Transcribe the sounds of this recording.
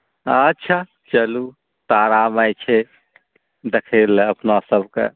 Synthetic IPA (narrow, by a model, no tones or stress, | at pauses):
ətːʃʰa | t͡ʃəlu | t̪aɾamajt͡ʃʰe | d̪ekʰeləpnasəbʱkḛ